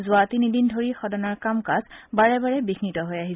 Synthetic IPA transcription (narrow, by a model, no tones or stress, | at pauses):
zʊatinidindʱoɹixɔdɔnaɹkamkazbaɹɛbaɹɛbixnitɔɦojaɦisɛ